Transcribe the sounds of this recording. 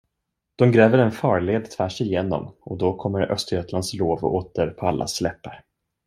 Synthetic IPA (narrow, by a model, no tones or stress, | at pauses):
d̪̥ɔmɡɾɛːvəɾɛnfœːɾɭeːd̪t̪ʰvæʂɪjeːnɔ̰mɔd̪ɔkʰɔmːəɾœ̰st̪əɾøːt̪land̪sloːvo̰ːt̪əɾpʰɔalːa̰slɛpːaɾ